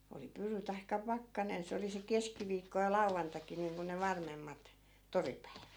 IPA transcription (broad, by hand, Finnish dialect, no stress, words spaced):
oli pyry tɑikːɑ pɑkːɑnen se oli se keskiʋiːkːo jɑ lɑu̞ʋːɑntɑkˑi niːŋku ne ʋɑrmemːɑt toripæiʋæt